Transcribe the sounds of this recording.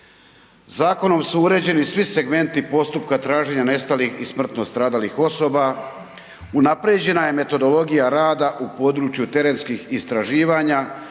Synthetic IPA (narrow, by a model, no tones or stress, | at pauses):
zaːko̞no̞msuuɾe̞ːd͡ʑe̞nisʋise̞ɡme̞nt̪ipo̞st̪upkat̪ɾaːʒe̞ɲane̞st̪alixismr̩t̪no̞st̪ɾaːd̪alixo̞so̞ba | unapɾed͡ʑe̞naje̞me̞t̪o̞d̪o̞lo̞ɡijaɾaːd̪aʔupo̞d̪ɾuːt͡ʃjut̪e̞ɾe̞nskixist̪ɾaʒiːʋaɲa